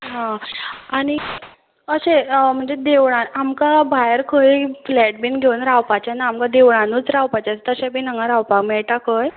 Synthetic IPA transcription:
ɦãaɽ̃i | əɕem̤əɳd͡zed̪eʋɭãnamkabʱajəɾkʰəiflɛʈ̚binɡʱeunɾawpat͡ɕjanaːmkad̪eʋɭanuːt͡sɾawpat͡ɕat͡st̪əɕẽbʱinəŋɡãɾawpakmɛɭʈakʰəj

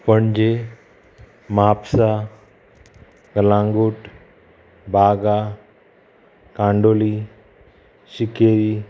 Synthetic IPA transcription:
pəɳd͡ʑe | mapsa | ɡəlãŋɡuʈ | bʱaɡa | kãɳɖoːli | ʃikeɾi

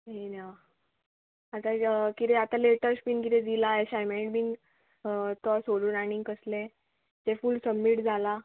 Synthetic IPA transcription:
ɦena | at̪akit̪eat̪aleʈəɾspiːnkit̪ed̪ilaeɕajmeʈbiːn | t̪ɔasoɽuːnañikəsle | t̪efuːlsəmːiːʈd͡zʱala

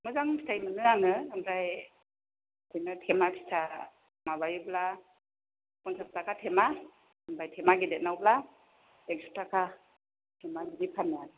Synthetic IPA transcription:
mɯzaŋpʰi̥tʰajmɯnɯanɯɯmdaj | ɔjnatʰemapʰi̥tʰa | maβajubla | kɔnsʰap̚takʰatʰema | ɯmbajtʰemaɡidet̚nawbla | ek̚sip̚takʰa | tʰemanibipʰanjanɯ

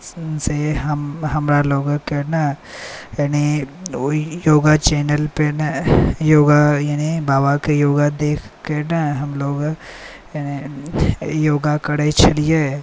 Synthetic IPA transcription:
seɦɐmɦɐmɾaloːɡkena | jani | joːɡat͡ʃɛːnəlpenjoːɡajanibaːbakejoːɡad̪eːkʰkenaɦɐmloːɡ | jani | joːɡakɐɽet͡ʃʰɐlije

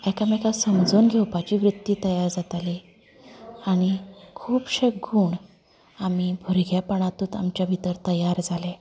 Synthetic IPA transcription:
ɛkamɛkasəmd͡zuːnɡʱewpat͡ɕiʋɾut̪jiːt̪əjaɾd͡zat̪ali | aɽ̃ikʰuːpɕeɡuːɳ | amibʱuɾɡʱjapəɳ̃at̪uːt̪a̰mt͡ɕjabʱit̪əɾt̪əjaɾd͡zale

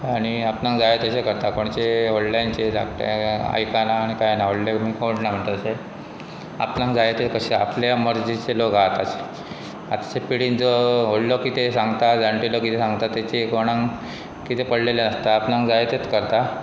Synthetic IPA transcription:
aɽ̃iapnãŋɡd͡zajet̪əɕekəɾt̪akoɳt͡ɕeonlajnt͡ɕed͡za̰kʈea̰jkanaːɽ̃ikajnaɦoɽlemiːkoʈnam̤əɳt̪əəse | a̰pnãŋɡd͡zajet̪ekəɕea̰pljaməɾd͡zit͡selokat̪ase̥ | at̪ḁsepiɽiːnd͡zɔɦollokiːt̪esãŋɡt̪ad͡zaɳʈilokit̪esãŋɡt̪at̪ːet͡ɕekoɽ̃ãŋ | kit̪epəɽ̤lelanəst̪aːpnãŋɡd͡zajet̪et̪kəɾt̪a

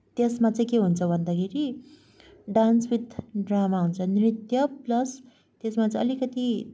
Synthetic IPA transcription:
t̪esmat͡sʌĩkeɦunt͡sʰʌbʱʌnd̪akʰeɾi | ɖansbit̪ɖramaɦunt͡sʰʌnrit̪jʌplʌs | t̪esmat͡sʌĩʌlikʌt̪i

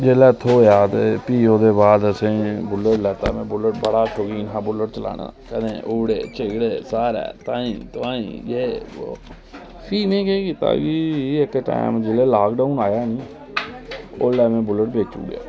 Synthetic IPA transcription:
d͡ʒelɛːt̪ʰːoːjaːd̪piːõːd̪eːbaːd̪əsẽːbʊləʈlɛːt̪aːmɛ̃ːbʊləʈ̚bəɽaːt͡ʃʰoːɡiːnɦãːbʊləʈ̚t͡ʃəla̰ːna̰kənẽːʔuːɽeːt͡ʃeɡɽeːsaːɾɛ̰ːt̪ãːĩːt̪ʊʋãːḭ̃ːjeːo | pʰiːmẽːkekiːt̪a̰ːɡiːɪkʈa̰ːɪmd͡ʒɪleːlaːkɖaːuːnaːjaːniː | o̰ːlɛːmẽːbʊləʈ̚beːk̚t͡ʃṵːɡja̰ː

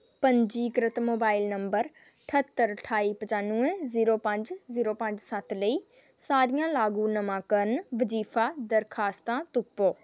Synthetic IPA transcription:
pə̃ɲd͡ʒiːkɾɪt̪moːbaːɪlnəmbəɾ | ʈʰət̪ːəɾəʈʰaːiːpəd͡ʒaːnũẽziːɾoːpə̃ɲd͡ʒziːɾoːpə̃ɲd͡ʒsət̪ʰləiː | saːɾijãːlaːɡũːnəmãːkəɾnʋəziːfʰaːd̪əɾkʰaːst̪ãːt̪ʊpːoː

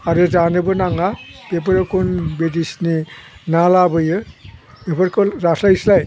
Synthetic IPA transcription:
aɾɯzanɯbɯnaŋab̥ep̬aɾɯkʰunbedisninalabɯjɯ | bepʰaɾkʰɯɾaslajslaj

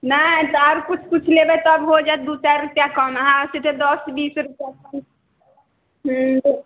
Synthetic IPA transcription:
nat̪aɾkut͡ʃʰkut͡ʃʰlebɛt̪ːbɦod͡ʒat̪̚d̪ut̪aɾupjakʌməɦãsiʈʰed̪ɔsbiːsɾupjakʌm | ɦ

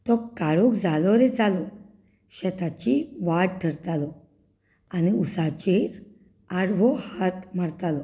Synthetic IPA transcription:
t̪ɔkːaɭukd͡zalɔɾɛd͡zalɔ | ɕɛt̪at͡ɕiʋaɽʈʰəɾt̪alɔ | aniusat͡ɕeɾ | aɽʋɔhat̪maɽt̪alɔ

